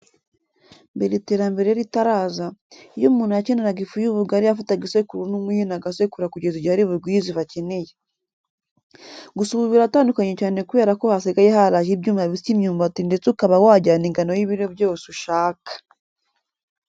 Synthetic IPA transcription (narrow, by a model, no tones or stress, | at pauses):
mbeɾeiteːɾambe̞ɾeɾitaɾaːzaijomuːnhujacenaɾaɡifujuβuɡaɾijafutaɡisekuɾunumujinaɡasekuɾakuɟeziɟahaɾiβuɾɡiziβaceneje | ɡusuβuβiɾaːtaːndukaɲecaːne̞kuβeːɾakohas̬iɡajehaɾaʒibɟuːmaβiimɲuːmbatindet͡sukaβawaːɟaːniŋɡanojiβiɾobjoːsuʃaːkḁ